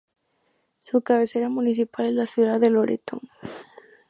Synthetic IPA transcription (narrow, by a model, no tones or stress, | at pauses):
sukaβe̞se̞ɾamunis̬ipalezlasjuðaðeloɾḛt̪o̰ŋ